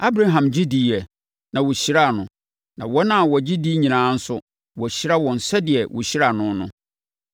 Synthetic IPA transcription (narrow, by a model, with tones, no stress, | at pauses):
a˦bɾa˦ɦã˨md͡ʑi˦di˦ɛ˨ | nã˨wɔ˨ɕi˦ɾa˦˨nʊ̃˨ | nã˨wɔ˦nã˦˨wɔ˨d͡ʑi˦di˦ɲĩ˨nãː˨˦n̩˦sʊ˦ | wɔ˨ɕi˦ɾa˦wɔ̃˨n̩˨sɛ˦dɪ˨ɛ˨wʔʊ̰˨ɕi˦ɾa˨nʊ̃˦nʊ̰̃˦